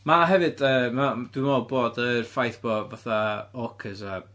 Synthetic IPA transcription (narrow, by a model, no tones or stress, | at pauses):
maɦɛvɨd̥əːmad̥wɪnoːboːdərfajθb̥ɔvaθaɔkʰəsa